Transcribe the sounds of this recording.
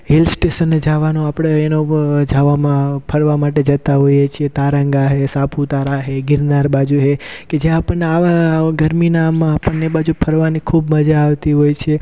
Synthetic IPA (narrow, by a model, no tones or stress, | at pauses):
ɦelsʈesənːed͡ʒaʋanoapəɽ̃eenod͡ʒaʋamãpʰəɾʋamaʈed͡ʒət̪aɦojet͡ʃʰiet̪aɾəŋɡaɦesapʰut̪aɾaɦeɡɪɾnaɾbad͡ʒuɦeked͡ʒjãːpəɳneaʋaɡəɾminamãːpəɳnebad͡ʒupʰəɾʋanikʰubməd͡ʒaːʋt̪iɦojt͡ʃʰie